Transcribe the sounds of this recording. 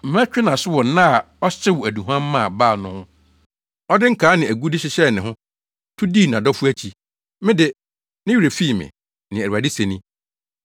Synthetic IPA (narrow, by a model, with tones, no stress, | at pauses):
m̩˨m˦æ˦t͡ɕᶣɪ˦nã˨sʊ˦wɔ˨˦nã˦a˨ | ɔ˦t͡ɕɪ˦wʊ˨æ˨du˨ɦã˦mː˦ã˦˨ba˦˨nʊ̃˦hʊ̃˦ | ɔ˦dɪ˦ŋ̩˦kʰaː˨˦nɪ̃˨æ˨ɡu˦dɪ˦ɕɪ˦ɕɛ˦˨nɪ̃˨ɦʊ̃˦ | tʰʊ˦diː˦˨nã˨dɔ˦fu˦æ˦t͡ɕʰi˨ | mɪ̃˦dɪ˦ | nɪ̃˦ɥɾe˨fi˦˨mɪ̰̃˨ | nɪ̃˨æ˨ɾa˨dɪ˦se˨nĩ˦